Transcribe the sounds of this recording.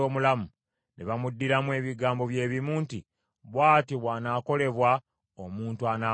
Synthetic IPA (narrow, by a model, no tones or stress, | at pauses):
oːmulamu | nʔḛβamudːiɾamwe̞ːβiɡaːmbo̞βje̞ːβimuːnti | βwaːtiβwaːnaːko̞le̞βwa | omuːntuana